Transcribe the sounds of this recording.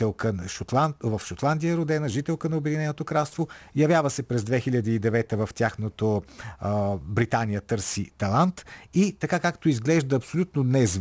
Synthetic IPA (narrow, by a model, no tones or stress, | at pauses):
ɛlˠkənʃot̪lavəfʃot̪lˠand̪ijəɾod̪ɛnəʒit̪ɛlˠkənɐobɛd̪inɛnot̪okɾalˠst̪vojɐvjavəsɛpɾɛzd̪vɛxiʎʲɐd̪iːd̪ɛvɛt̪əvəft̪ʲjaxnot̪o | bɾit̪anijət̪ɤɾsit̪ɐlˠant̪it̪ɐkakakt̪oizɡlɛʒd̪əɐːpsolʲut̪nonɛz